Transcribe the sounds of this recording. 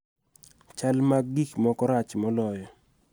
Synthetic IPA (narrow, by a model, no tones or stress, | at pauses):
t͡ʃalmaɡɡikmɔkɔɾat͡ʃmɔlɔjɔ